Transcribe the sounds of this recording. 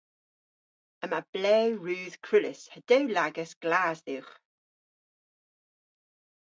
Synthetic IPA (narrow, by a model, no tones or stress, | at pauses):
əmab̥lɛːwɹʉːð̥kʰɹ̥ɪlɪshəd̥ɛwlaɡəsɡ̥laːzðɪwχ